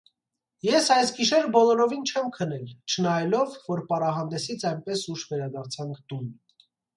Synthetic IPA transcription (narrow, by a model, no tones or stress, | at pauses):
jɛsɑjsɡiʃɛɾəbɔlɔɾɔvint͡ʃʰɛmkʰənɛlt͡ʃʰənɑjɛlɔvːɔɾpɑrɑɦɑnd̪ɛsit͡sʰɑjnpɛsuʃvɛɾɑd̪ɑɾt͡sʰɑŋkʰt̪un